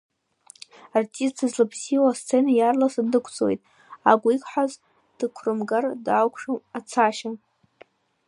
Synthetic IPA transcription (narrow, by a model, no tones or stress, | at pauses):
artʼistʰɨzlapʰsiwast͡sʰʼenajarlasɨdɨkʷʰt͡sʼwejtʼ | aɡʷʼikʷʰʼħʷaz | d̥ɨkʷʰrɨmɡardawkʷʰʂɨat͡sʰaʃa